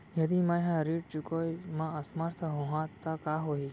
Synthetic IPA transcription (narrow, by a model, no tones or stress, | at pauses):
jəd̪imãjɦãɾiʈ̚t͡ʃukojmãəsmaɾt̪ʰəɦõɦãt̪ːakaɦoɦi